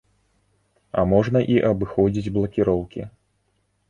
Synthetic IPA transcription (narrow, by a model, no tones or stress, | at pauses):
ɐ̰mɔʐnɐʔiʔɐbɨxɔd͡zʲid͡zʲblˠɐkʲiɾɔwkʲḭ